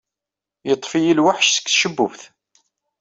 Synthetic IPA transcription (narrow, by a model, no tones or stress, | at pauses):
jət̪ˤːfijilwaħʃsə̥kːθʃəbːʊ̰vθ